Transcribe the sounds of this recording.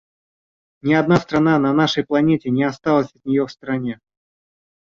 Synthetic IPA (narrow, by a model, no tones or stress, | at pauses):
nʲɪɐd̪nast̪ɾɐnanɐnaʂəjplˠɐnʲetʲɪnʲɪɐst̪alˠəsʲɐt̪̚nʲɪjofst̪ɾɐnʲe